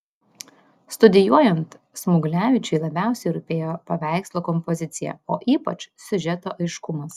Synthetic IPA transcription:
st̪ʊd̪ʲɪjuɔjɛnt̪ | smʊɡlʲæːʋʲɪt͡ʃʲɛɪlˠɐbʲæˑʊsʲɛɪɾʊpʲeːjoːpɐʋʲæˑɪkslˠoːkɔmpɔzʲɪt̪sʲɪjæ̰ˑoːʔiːpɐt͡ʃsʲʊʒʲɛt̪oːʔɐɪʃkʊmɐs

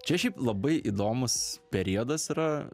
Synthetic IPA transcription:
t͡ʃʲɛʃʲɛɪplˠɐbɐɪʔid̪oːmʊspʲɛɾʲiːɔd̪ɐsiɾɐ

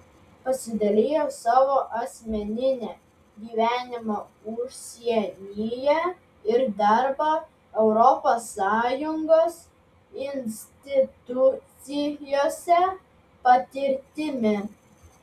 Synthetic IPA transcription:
pɐsʲɪd̪ɐlʲeːjoːsɑːʋoːʔɐsʲmʲɛnʲɪnʲeː | ɡʲiːʋʲæːnʲɪmoʊʃsʲiɛnʲɪːjɛ | ɪɾd̪ɑɾbɐ | ɛʊɾɔpoːsːɑːjʊŋɡoːs | ɪnʲsʲt̪ʲɪt̪ʊt̪sʲɪjoːsʲɛ | pɐt̪ʲɪɾʲt̪ʲɪmʲɪ

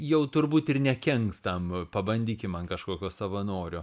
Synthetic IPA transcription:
jɛʊt̪ʊrbuːt̪ɪrnʲɛkʲɛŋkst̪ɐmpɐbɐnʲd̪ʲiːkʲɪmɐnkɐʃkoːkʲoːsɐʋɐnoːɾʲoː

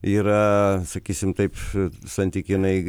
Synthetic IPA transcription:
iɾɐsɐkisimt̪ɐjpsɐ̃nt̪ikinɐiɡ

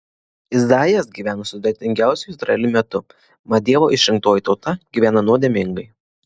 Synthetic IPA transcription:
ɪzd̪ɑːjɛsɡʲiːʋʲæːnosʊd̪ʲɛt̪ʲɪŋʲɡʲæˑʊsʲʊɪzɾɐ̰ɛlʲumʲɛt̪ʊ | mɐd̪ʲiɛʋoːʔɪʃʲɾʲɪŋk̚t̪oːjiˑt̪ɒʊt̪ɐɡʲiːʋʲæːnɐnuɔd̪ʲeːmʲɪŋɡɐɪ

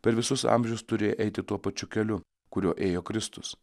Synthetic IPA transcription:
pʲɛɾʋʲɪsʊsɑ̰mʲʒʲɛʊst̪ʊɾʲeːjoʔɛɪt̪ʲɪt̪uɔpɐt͡ʃʲʊkʲɛlʲʊ | kʊɾʲuɔʔeːjoːkɾʲɪst̪ʊs

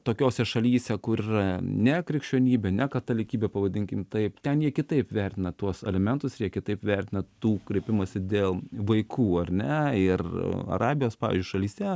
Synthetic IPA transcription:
t̪oːkʲoːsʲɛʃɐlʲiːsʲɛkʊɾiːrɐnʲɛkɾʲɪkʃʲt͡ʃʲuːnʲiːbʲɛnʲɛkɐt̪ɐlʲɪkʲiːbʲɛpɐʋɐd̪ʲɪŋʲkʲɪmt̪ɐɪpt̪ʲɛnjiɛkʲɪt̪ɐɪpʋʲɛɾʲt̪ʲɪnɐt̪uɔsɛ̰lʲɛmʲɛnt̪ʊsjiɛkʲɪt̪ɐɪpʋʲɛɾʲt̪ʲɪnɐt̪uːkɾʲiɛpʲɪmɐsʲɪd̪ʲeːlˠʋɐɪkʰuːɐrʲnʲɛɪrɐ̰ɾɑːbʲɪjoːspɑːɪ̰ːzʲd͡ʒʲʊʃɐlʲiːsʲt̪ʲɛ

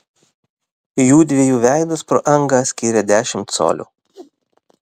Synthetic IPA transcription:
juːd̪ʲʋʲiɛjuːʋʲæˑɪd̪ʊspɾoːʔɐŋɡɑsʲkʲiːɾʲɛd̪ʲæːʃʲɪmt̪so̰ːlʲṵː

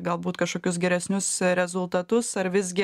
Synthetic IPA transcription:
ɡɐlˠbuːt̪kɐʃkoːkʲʊsɡʲɛɾʲɛsʲnʲʊsɾʲɛzʊlˠt̪ɐt̪ʊsɐɾʋʲɪzʲɡʲɪ

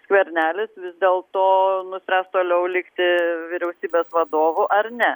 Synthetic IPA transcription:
sʲkʋʲɛɾʲnʲæːlʲɪsʋʲɪzd̪ʲeːlˠt̪oːnʊsʲpʲɾʲæːst̪oːlʲɛʊlʲɪkt̪ʲɪʋʲɪɾʲɛʊsʲiːbʲeːsʋɐd̪oːʋʊʔɐrnʲɛ

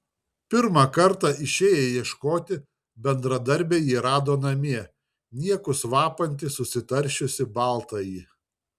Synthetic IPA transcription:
pʲɪɾmɑkɐɾt̪ɑːɪʃʲeːjɛjiɛʃkoːt̪ʲɪ | bʲɛnd̪ɾɐd̪ɐɾʲbʲeːjiːɾɑːd̪oːnɐmʲiɛ | nʲiɛkʊsʋɑːpɐnʲt̪ʲɪsʊsʲɪt̪ɐɾʲˑʃʲʊsʲɪbɑˑlˠt̪ɐjiː

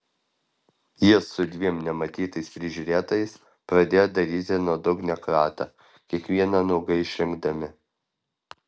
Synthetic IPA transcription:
jisʊd̪ʲʋʲiɛmnʲɛmɐt̪ʲiːt̪ɐɪspʲɾʲɪʒʲuːɾʲeːt̪oːjɛɪs | pɾɐd̪ʲeːjod̪ɐɾʲiːt̪ʲɪnuɔd̪ʊɡnʲɛkɾɑːt̪ɐ | kʲiɛkʋʲiɛnɑnɐʊɡɐɪɪʃʲɾʲɪŋɡd̪ɐmʲɪ

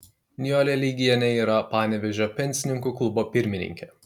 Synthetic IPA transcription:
nʲɪjoːlʲɛlʲiːɡʲiɛnʲɛiːɾɐpɑːnʲɛʋʲɛʒʲoːpʲɛnʲsʲɪnʲɪŋkuːklˠʊboːpʲɪɾʲmʲɪnʲɪ̰ŋʲkʲɛ

